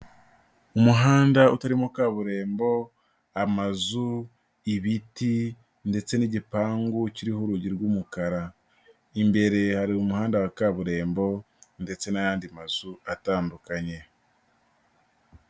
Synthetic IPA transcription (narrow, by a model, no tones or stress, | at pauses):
umuɦaːndautaɾimokaβuɾe̞ːmbo̞ | amazu | iβiti | nde̞t͡se̞niɟipaːŋɡuciɾihoɾuɟiɾɡuːmukaɾa | imbe̞ɾe̞haɾiumuhaːndawakaβuɾe̞ːmbo̞ | nde̞t͡se̞najaːndimaz̥uataːndukaɲe̞